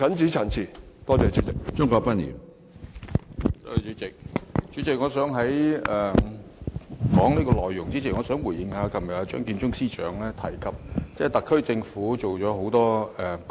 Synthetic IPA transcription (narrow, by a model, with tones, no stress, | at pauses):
kɐ˨˥nt͡siː˨˥t͡sʰa˨˩nt͡sʰiː˨t̪ɔː˥t͡sɛː˨˧t͡ʃyː˨˥t͡sɪ˨k̚t͡sʊ˥ŋkɔː˧k̚pɐ˥nḭː˨˩n | tɔ˥˨˩t͡ʃyː˨˥t͡sɪ˨k̚t͡ʃy˨˥t͡sɪ˨k̚ŋɔː˨˧sœː˨˥ŋɦɐ˨˥jɛː˨ | kɔː˨˥ŋniː˥kɔː˧lɔː˨jːʊ˨˩ŋt͡siː˥t͡sʰiː˨˩ŋɔː˨˧sœː˨˥ŋwu˨˩jɪ˨˧ŋhaː˨˧kʰɐ˨mjɐ˨t̚aː˨˧t͡ʃœ̰ː˨˥ŋkiː˧nt͡sʊ˥ŋsiː˥t͡ʃœ̰ː˨˥ŋlɛː˥t̪ʰɐ˨˩jkʰɐ˨p̚t͡sɛː˥˩t̪ɐ˨kʰːɥt͡sɪ˧ŋfuː˨˥t͡ʃo˨wt͡sɔː˨˧˥ɦo˨˥wt̪ɔː˥ɛ˨